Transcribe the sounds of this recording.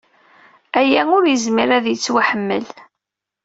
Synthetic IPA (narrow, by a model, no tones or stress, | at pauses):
æjæŋʊɾjəzmiɾæðjət͡sːwaħəmːə̰l